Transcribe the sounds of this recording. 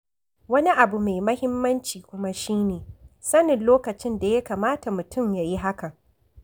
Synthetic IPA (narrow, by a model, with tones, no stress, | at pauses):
wɐ˦ni˦ʔa˨bu˨me˨jmɐ˦hɪ˦mːɐ˦nt͡ʃiː˨kʷʊ˦ma˦ʃiː˦neː˨sɐ˦nɪ˨nloː˦kɐ˨t͡ʃɪ˦nda˨ja˦kaː˨maː˦ta˨mʊ˨tʰʊ˦mjaː˨ji˦ɦa˦kɐ˨ŋ